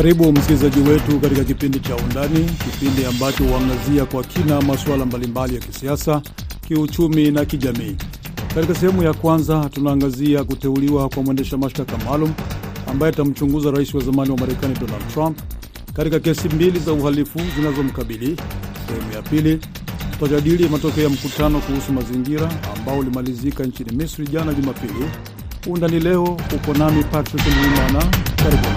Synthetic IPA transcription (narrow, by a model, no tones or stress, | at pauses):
kaɾiɓum̩skilizaʄiwɛtukatikak̬ipindit͡ʃaundanikipindiambat͡ʃɔhuwaŋɡaziakwakʰinamaswalambalimbalijakisiasa | kiut͡ʃuminakiʄamiː | katikas̬ɛhɛmujakwanzatunaːŋɡaziakutɛuliwakwamwɛndɛʃamaʃtakamalumua̰mbaɛatam̩t͡ʃuŋɡuzaɾaisiwazamaniwamaɾɛkaniɗɔnald̚tɾamp̚ | katikakɛsimbilizauhalifuzinazɔm̩kaɓilisɛhɛmujapili | u̥taʄaɗilimatɔkɛɔjam̩kutanɔkuhusumaziŋɡiɾaːmbaɔulimalizikaɲt͡ʃinimisɾiʄanaʄumapili | undanilɛɔhukɔnamipatɾikliwimanakaɾiɓun